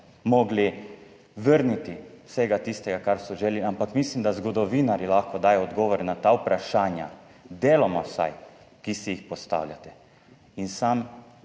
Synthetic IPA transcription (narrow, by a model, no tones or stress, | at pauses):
mɔːɡli | ʋəɾnit̪iwseɡat̪ist̪ɛɡakaɾsɔʒeliampakmislimd̪azɡɔd̪ɔʋiːnaɾilaxkɔd̪aːjɔɔd̪ɡɔːʋɔɾnat̪aːwpɾaʃaːnja̰ | d̪eːlɔmɔwsa̰j | kisijixpɔst̪a̰wlʲja̰t̪ɛ | insam